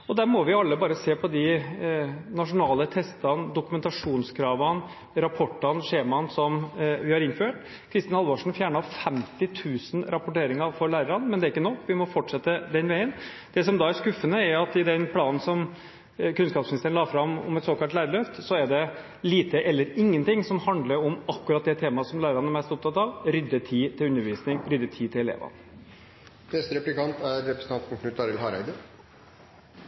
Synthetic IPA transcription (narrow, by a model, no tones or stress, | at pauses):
ɔd̪æɾmɔʋɪʊɑlːəbɑːɾəseːpʰɔd̪ɪ | nɑʂʊnɑːlət̪ʰɛst̪ɑnd̪ʊkʉmɛnt̪ɑʂuːnskʰɾɑːʋɑn | ɾɑpʰɔʈːənʂeːmɑnsɔmʋɪhɑɾɪnføːʈ | kʰɾɪst̪ɪnɑlʋɑʂn̩fjæːɳɑfɛmt̪ɪt̪ʰʉːsənɾʔɑpʊʈeːɾɪŋəɾfɔɾɭæːɾəɾɑnmɛnd̪ɛæɾɪkːənɔkːʋɪmɔfɔʈʂɛt̪ːəd̪ɛnʋæɪən | d̪̥ɛs̬ɔmd̪ɑæʂkʉfːənəæɾʊɑt̪ːɪd̪ɛnpʰlɑːnn̩sɔm | kʉnskɑːpsmnɪst̪əɳ̩nɑːfɾɑmɔ̰mɛt̪soːkɑlt̪læːɾəɭœft̪sɔɛɖɛ | liːt̪əʔɛlːəɾɪŋːənt̪ɪŋsɔmhɑnd̪ləɾɔmɑkːʉɾɑt̪̚d̪ɛt̪ʰeːmɑsɔmlæːɾəɾɑnæɾmɛst̪ɔp̚t̪ʰɑt̪ɑʋɾʏd̪ːət̪ʰiːt̪ʰɪlʉnːəɾʋiːsnɪŋɾʏd̪ːət̪ʰiːt̪ɪlɛlḛːʋɑ̰n | nɛst̪əɾɛplɪkɑnt̪æɾːɛpɾəsn̩ɑnpʰʊk̪nʉt̪ɑːɾɪəlɦɑɾæ̰ɪd̪ə